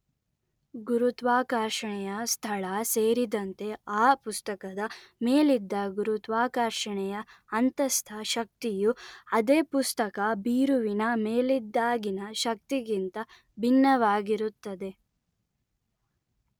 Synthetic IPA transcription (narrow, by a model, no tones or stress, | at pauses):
ɡuɾut̪ʋaːkaːɾʃɐɳɛjɐst̪ʰɐɭɐseːɾid̪ɐnt̪e̞aːpust̪ɐkɐd̪ɐmeːlid̪ːɐɡuɾut̪ʋaːkaːɾʃɐɳɛjɐː | nt̪ɐst̪ʰɐʃɐk̚t̪ijuɐd̪eːpust̪ɐkɐbiːɾuʋinɐmeːlid̪ːaːɡinɐʃɐk̚t̪iɡint̪ɐ | bʱinːɐʋaːɡiɾut̪ːɐd̪e̞